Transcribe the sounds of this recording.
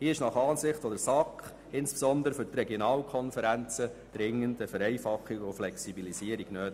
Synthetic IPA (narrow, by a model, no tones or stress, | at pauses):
hiːɪʃnɑχɑːnsɪχtfɔdəɾsɑkχ | ɪnspe̥sɔnd̪əɾəfʏɾtrɛɡjɔnɑːlkʰɔnfəɾænt͡səd̥ɾɪŋːəntəfəɾɛɪfɑχːiɡʊflɛksibilisiəɾiɡnøːt